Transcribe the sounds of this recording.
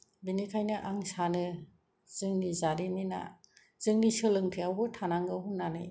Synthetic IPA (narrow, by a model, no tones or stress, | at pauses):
binikʰajnɯʔaŋsanɯ | z̥ɯŋnizaɾimina̰ | z̥ɯŋnisɯlɯŋtʰijawɡɯtʰanaŋɡɯɦuŋnanɯ̰j